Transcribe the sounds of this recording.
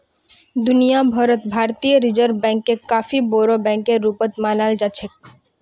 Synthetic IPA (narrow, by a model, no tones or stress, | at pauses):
d̪unijabʱaɾot̪bʱaɾt̪ijoɾid͡ʑəɾbɛ̃ŋkːekafibɔɾobɛ̃ŋkeɾːupɔt̪manald͡ʒat͡ɕʰe